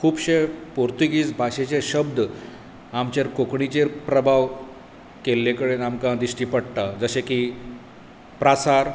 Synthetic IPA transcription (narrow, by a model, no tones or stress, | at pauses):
kʰuːbɕepoɾt̪ikiːt͡sbʱaɕet͡ɕeɕəb̚d̪ | amt͡ɕeɾkokɳit͡ɕeɾpɾəbʱaʋ | kelːekəɽenamkãd̪iɕʈiːpəɽt̪ad͡zəɕeki | pɾasaɾ